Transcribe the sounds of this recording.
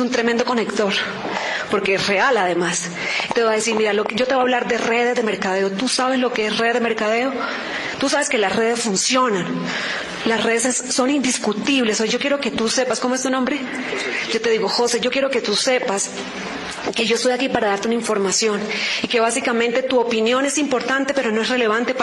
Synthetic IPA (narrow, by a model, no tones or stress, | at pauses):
sunt̪ɾe̞mẽ̞nd̪o̞ko̞ne̞kt̪o̞ɾ | po̞ɾke̞esre̞alaðe̞mas | it̪e̞βaðesiɾmiɾaloɟ͡ʝo̞t̪eβaβlaɾðe̞re̞ðe̞zðeme̞ɾkað̞e̞ot̪usaβe̞zlo̞ke̞esreðeðemeɾkað̞eo | t̪usaβe̞ske̞lasre̞ð̞e̞sfunsjo̞nan | lasre̞ðesesːo̞nind̪iskut̪iβle̞soʝo̞kje̞ɾoke̞t̪use̞pasko̞moest̪unombɾe̞ | ɟ͡ʝo̞t̪e̞ðiɣo̞xo̞seʝo̞kje̞ɾo̞ke̞t̪use̞pas | ke̞ʝo̞est̪ojakipaɾaðaɾt̪eunaiɱfo̞ɾmasjo̞nike̞βasikamẽnt̪e̞t̪uopinjo̞ne̞simpo̞ɾt̪ant̪e̞pe̞ɾono̞e̞sre̞le̞β̞ant̪ep